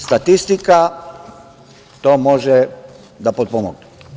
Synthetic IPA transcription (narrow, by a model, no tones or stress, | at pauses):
st̪at̪ist̪ika | t̪omoʒɛ | d̪apɔt̪̚pomɔɡ̚nɛ